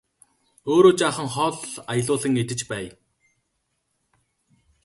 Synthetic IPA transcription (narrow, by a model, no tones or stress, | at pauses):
oːɾoːt͡ɕaːχə̆ŋχɔɮajə̆ɮʊːɮə̆ŋet̪ɘ̆t͡ɕpæːj